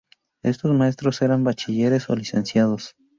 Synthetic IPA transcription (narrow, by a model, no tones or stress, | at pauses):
e̞̰st̪o̞smae̞s̬t̪ɾo̞se̞ɾambat͡ʃiʝe̞ɾe̞so̰lise̞̰nsjaðo̞s